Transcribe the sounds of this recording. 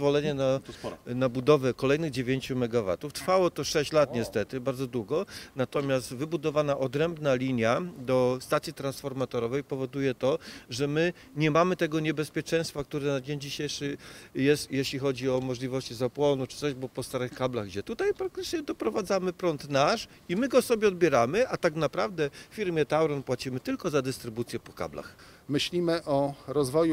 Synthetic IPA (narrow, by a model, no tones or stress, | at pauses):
vɔlɛɲɛnasnabud̪ɔvɛkɔlɛjnɘɣd͡ʑevʲjeɲt͡ɕumɛɡava̰t̪uft̪ɾ̥fawɔt̪ɔʂɛɕt͡ɕlat̪ɲɛst̪ɛt̪ɘbaɾd̪zɔd̪wuɡɔnat̪ɔmʲjast̪vɘbud̪ɔvanaʔɔd̪ɾɛmbnalʲiɲjad̪ɔst̪at̪sʲjit̪ɾansfɔɾmat̪ɔɾɔvɛjpɔvɔd̪ujɛt̪ɔʐɛmɘ | ɲɛmamɘt̪ɛɡɔɲɛbɛspʲjɛt͡ʂɛj̃st̪fak̚t̪uɾɛnad͡ʑeɲd͡ʑiɕejʂɘjɛst̪jɛɕlʲixɔd͡ʑiɔmɔʐlʲivɔɕt͡ɕizapwɔnut͡ʂɘ̥sɔʑbɔpɔst̪aɾɘxkablaɣɡd͡ʑɛt̪ut̪ajpɾak̚t̪ɘt͡ʂɲɛd̪ɔpɾɔvad̪zamɘpɾɔnt̪naʂ | imɘɡɔsɔbʲjɛɔd̪̚bʲjɛɾamɘʔat̪aknapɾavd̪ɛfʲiɾmʲjɛt̪awɾɔnpwat͡ɕimɘt̪ɘlkɔzad̪ɘst̪ɾɘbut̪sʲjɛpɔ̥ka̰bla̰xmɘɕlʲimɘʔɔɾɔzvɔju